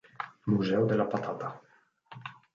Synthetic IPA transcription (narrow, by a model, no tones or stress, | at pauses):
muzɛwd̪elapat̪at̪a